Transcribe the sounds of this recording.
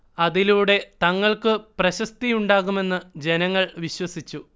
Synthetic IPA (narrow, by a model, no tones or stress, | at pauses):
ɐðiluːɽe̞t̪ɐŋːɐɭkɨprɐɕɐst̪ijuɳɖaːɣume̞nːɨd͡ʑe̞nɐŋːɐɭʋiɕwɐsit͡ɕːu